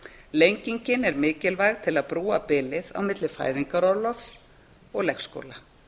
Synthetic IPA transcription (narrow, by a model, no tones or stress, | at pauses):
lejɲciɲcɪnɛɾmɪːcɪlvajɣt̪ʰɪlaðpɾuːapɪːlɪða̰wmɪt̪lɪfa̰ːjðiŋkaɾɔɾlɔfs | ɔɣlɛxsko̰ːla